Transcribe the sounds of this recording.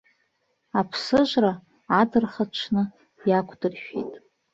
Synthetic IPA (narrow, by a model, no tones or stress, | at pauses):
apʰsɨʒʷraː | dɨrχaʈ͡ʂʷʰnɨ | jakʷʰʼdɨrʃᶣḛjtʼ